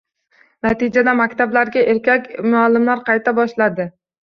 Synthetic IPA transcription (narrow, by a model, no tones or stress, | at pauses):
nat̪ɪd͡ʒad̪amakʲt̪ʰablaɾɡʲaʔe̞ɾkʲakʲmʊalːɪmlaɾqʰɑjt̪ʰabɒʃlad̪ɪ